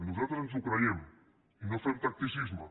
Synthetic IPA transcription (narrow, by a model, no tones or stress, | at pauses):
nuzat̪ɾosens̬ukɾaem | inofemt̪ak̚t̪isizma